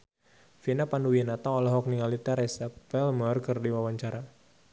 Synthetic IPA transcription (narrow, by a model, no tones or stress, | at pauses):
finapanduwinat̪aɔlaɦɔk̚niŋalit̪ɛɾɛsapɛlmɔrkɨrdiwawaɲt͡ʃaɾa